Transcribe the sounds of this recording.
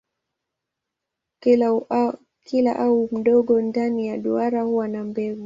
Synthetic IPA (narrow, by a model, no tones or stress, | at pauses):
kilaʔaum̩ɗɔɠɔndanijaɗuaɾahuwanambɛvu